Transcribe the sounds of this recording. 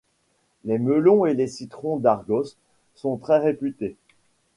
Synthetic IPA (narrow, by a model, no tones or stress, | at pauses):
lɛməlɔ̃elesit̪χɔ̃d̪aʁɡɔsː | ɔ̃t̪χɛʁepyt̪e